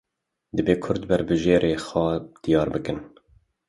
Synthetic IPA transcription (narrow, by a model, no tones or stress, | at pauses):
d̪ɨbeːkʰʊɾd̪bæɾbɨʒeːɾʔeːxɑːd̪̥ijɑːɾbɨkɨn